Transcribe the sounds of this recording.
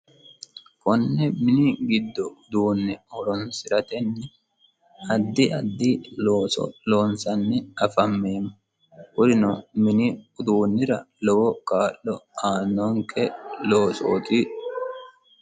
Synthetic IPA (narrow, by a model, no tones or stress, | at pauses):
kɔnːɛmɪnɪɡɪd̪ːɔʊd̪uːnːɛɔɾɔnsɪɾɐt̪ɛnːɛ | ɐd̪ːɪɐd̪ːɪloːsɔ̰loːnsɐnːɛɐfɐmːeːmːɐ | hʊd̪ɪnɔmɪnɪʊd̪uːnːɪɾɐlɔwɔkaːʔːɔaːnːɔŋkʰɛloːso̰ːt̪i